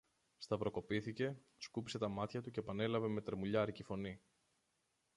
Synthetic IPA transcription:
st̪ɐpɾo̞ko̞piθice̞ | skupi̥se̞t̪ɐmɐt̪çɐt̪uce̞pɐne̞lɐve̞me̞t̪ɾemuʎɐɾicifo̞ni

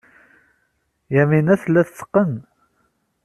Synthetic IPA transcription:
jæminæθlːæθt͡sːə̥qːən

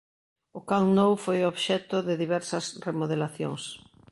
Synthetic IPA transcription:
ʊkaŋnowfojoβʃɛt̪ʊðɪðiβɛɾsɐsremoðelaθjo̰ŋs

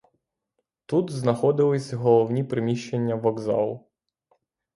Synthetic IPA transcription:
t̪ut̪znɐxɔd̪ɪlˠɪsʲɐɦɔlˠɔwnʲipɾɪmʲiʃt͡ʃenʲːɐʋɔɡzɑ̰lˠʊ

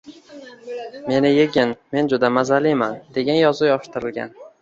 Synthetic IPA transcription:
me̞nɪjeɡʲɪnme̞nd͡ʒʊd̪amazalijmand̪e̞ɡʲanjɒzʊjɒʃt̪ɪɾɪlɡʲa̰n

